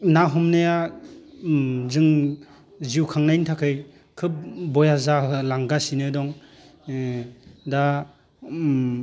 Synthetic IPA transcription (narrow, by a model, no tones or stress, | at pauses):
naɦɔmnɯja | zɯŋ | ziwkʰaŋnajntʰakʰɯj | kʰɯp̚bɔjazaɯlaŋɡasinɯdɔŋ | da